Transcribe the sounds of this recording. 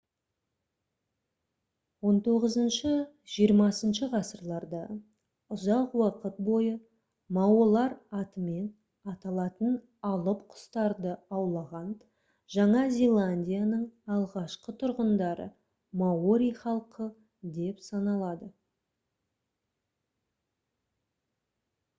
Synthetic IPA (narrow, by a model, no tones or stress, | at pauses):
wo̞nt̪ʰo̞ʁəzənʃə | ʒ̥ijəɾmɑsənʃəʁɑsəɾlˠɑɾd̪ɑ | ʊzɑqwɑqət̪̚bo̞jə | mɑwolˠɑɾɑt̪əme̞n | ɑt̪ɑlˠɑt̪ən | ɑlˠəpqʰʊ̥st̪ɑɾd̪əɑwlˠɑʁɑn | ʒɑɴɑzʲelˠanʲdʲijanəɴɑlˠʁɑʃqət̪ʰʊɾʁənd̪ɑɾə̰ | maoɾʲijχɑlˠqʰə | d̪e̞psɑnɑlˠɑd̪ə